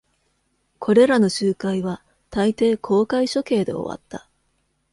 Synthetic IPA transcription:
kʰo̞ɾe̞ɾanoɕɨːkaiβa | t̪ait̪e̞ːkʰo̞ːkaiɕo̞ke̞ːd̪e̞̰o̞̰βa̰t̪ːa

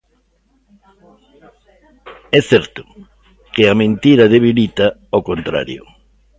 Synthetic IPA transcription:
ɛθɛɾt̪ʊ̥ | kɪamẽnt̪iɾɐðeβ̞ilit̪ɐokont̪ɾa̰ɾjo̰

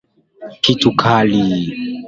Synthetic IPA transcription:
kitukʰali

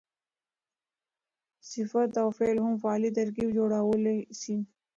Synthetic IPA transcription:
sɪfət̪awfelɦʊmfaːlit̪ɐɾkifd͡ʒoɽawlesi

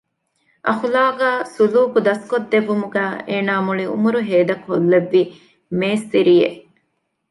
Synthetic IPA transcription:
ʔɐxulaːɡæːsuluːkud̪ɐskod̪ːeʋːumuɡæːeːnaːmuɭiṵmuɾuɦeːd̪ɐkolːeʋːi | meːst̪iɾijeʔ

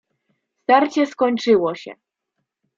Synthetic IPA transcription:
st̪aɾt͡ɕɛskɔɲt͡ʂɘwɔɕɛ̰

